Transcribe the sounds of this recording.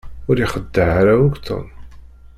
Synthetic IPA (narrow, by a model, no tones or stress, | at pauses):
ʊɾiχəd̪ːəʕaɾauɡt̪ʰˤə̰n